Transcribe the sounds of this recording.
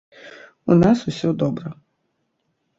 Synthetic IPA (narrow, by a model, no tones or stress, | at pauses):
unasʊsʲɔd̪ɔbɾɐ